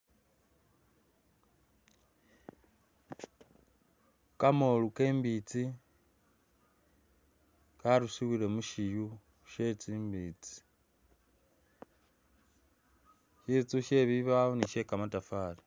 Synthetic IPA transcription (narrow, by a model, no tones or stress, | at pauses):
kamoluke̞ːmbit͡si | kaɾusiwile̞muʃiju | ʃe̞t͡siːmbiːt͡si̥ | ʃit͡suʃe̞ːβiβaoniʃe̞kamatafaːli